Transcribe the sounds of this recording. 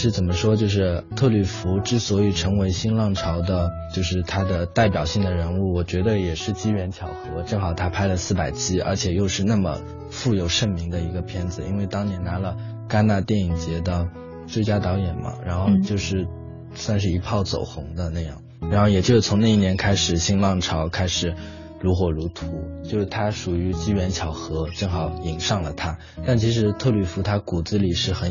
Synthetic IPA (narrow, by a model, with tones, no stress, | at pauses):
ʂɻ̩˥˩t͡sə˨˩nmə˦ʂwɔ˥t͡ɕjo˥˧ʊʂ̬ɻ̩˥˧t̪ʰɤ˥˧ly˥˩fu˧˥ʈ͡ʂɻ̩˥swɔ˧˥i˨˩ʈ͡ʂʰɤ˧˥ŋwe˧˥ɪɕi˥nlɑ˥˩ŋʈ͡ʂʰɑ˧˥ʊd̪ə˧t͡ɕjo˥˧ʊʂɻ̩˥˩t̪ʰa˥d̪ə˨t̪a˥˩ɪpjɑ˨˩ʊɕi˥˩ŋd̪ə˩ɻə˧˥nu˥˩wɔ˨˩t͡ɕɥɛ˧˥d̪ə˧jɛ˨˩ʂɻ̩˥˩t͡ɕi˥ɥɛ˧˥nt͡ɕʰjɑ˨˩ʊxɤ˧˥ʈ͡ʂɤ˥˩ŋxɑ˨˩ʊt̪ʰa˥pʰa˥ɪlə˨˧sɹ̩˥˩pa˨˩ɪt͡ɕʰi˥ə̰˞˧˥t͡ɕʰjɛ˨˩jo˥˧ʊʂɻ̩˥˧na˥˩mə̰˩ | fu˥˩jo˨˩ʊʂə˥˩mi˧˥ŋd̪ə˧i˧˥ɡə˧pʰjɛ˥nd͡zɹ̩˨˩ḭ˥nwe˥˩ɪt̪ɑ˥ŋnjɛ˧˥nna˧˥lə˧ | ka˥nna˥˧t̪jɛ˥˩ni˨˩ŋt͡ɕjɛ˧˥d̪ə˧ | t͡swe˥˧t͡ɕja˥t̪ɑ˧˥ʊjɛ˨˩nmɐ̰˦ɻa˧˥nxo˥˧ʊt͡ɕjo˥˧ʊʂɻ̩˥˩ | swa˥˧nʂ̬ɻ̩˥˩i˧˥pʰɑ˥˩ʊt͡so̰˨˩ʊxʊ˧˥ŋd̪ə˧na˥˧jɑ̰˥˩ŋɻa˧˥nxo˥˩ʊjɛ˨˩t͡ɕjo˥˧ʊʂɻ̩˥˩t͡sʰʊ˧˥ŋna˥˧i˥˩njɛ˧˥nkʰa˥ɪʂɻ̩˨˩ɕi˥ŋlɑ˥˩ŋʈ͡ʂʰɑ˧˥ʊkʰa˥ɪʂɻ̩˨˩˦ | ɻu˧˥xwɔ˨˩ɻu˧˥t̪ʰu˧˥t͡ɕt͡ɕjo˥˧ʊʂɻ̩˥˩t̪ʰa˥ʂu˨˩y˧˥t͡ɕi˥ɥɛ˧˥nt͡ɕʰjɑ˨˥ʊxɤ˧˥ʈ͡ʂɤ˥˩ŋxɑ˨˩˥ʊi˨˩ŋʂɑ˥˩ŋlə˩t̪ʰa˥ | t̪a˥˩nt͡ɕʰi˧˥ʂ̬ɻ̩˧˥t̪ʰɤ˥˧ly˥˩fu˧˥t̪ʰa˥ku˨˩d͡zɹ̩˧˥li˨˩ʂɻ̩˥˩xə˨˧˥